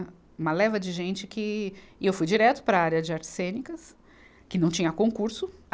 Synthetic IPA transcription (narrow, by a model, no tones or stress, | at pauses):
ũmɐlɛvɐd͡ʒɪʒẽnt͡ʃɪkɪɪewfujd͡ʒiɾɛt̪ʊ̥pɾɐaɾjɐd͡ʒɪaɾt͡ʃɪ̥sẽnikɐs | kɪnɐ̃w̃t͡ʃĩɲɐkõkuɾsʊ